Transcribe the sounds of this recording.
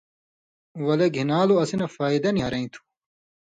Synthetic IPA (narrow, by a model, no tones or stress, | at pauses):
wɐleɡʱinaːloɐsinɐfaːid̪ɐniɦɐɾɐĩt̪ʰu̥